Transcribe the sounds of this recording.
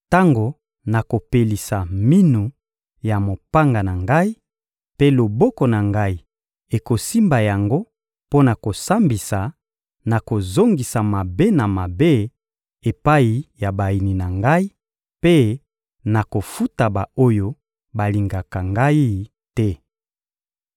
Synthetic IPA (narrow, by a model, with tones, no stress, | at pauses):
ta˦ŋɡo˨ | na˨ko˨pe˨li˨sa˨mi˦nu˨ | ja˨mo˨pa˦ŋɡa˨na˨ŋɡa˦i˦ | pe˦lo˨bɔ˦kɔ˨na˨ŋɡa˦i˦ | e˨ko˨si˦mba˨ja˨ŋɡo˦ | po˦na˨ko˨sa˦mbi˨sa˨ | na˨ko˨zo˦ŋɡi˨sa˨ma˨be˦na˨ma˨be˦ | e˨pa˦i˨ja˨ba˨i˨ni˨na˨ŋɡa˦i˦ | pe˦ | na˨ko˨fu˦ta˨ba˨o˦jo˦ | ba˨li˨ŋɡa˨ka˨ŋɡa˦i˦ | tɛ˦